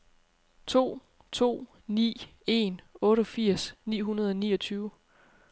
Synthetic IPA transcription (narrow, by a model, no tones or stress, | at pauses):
t͡sʰo̝̰ː | t͡sʰo̝̰ː | nḭːe̝nɔ̽ːɾəfiɐ̰snḭːɦunɐð̞ˠɒ̽niːʌt͡sʰyːʊ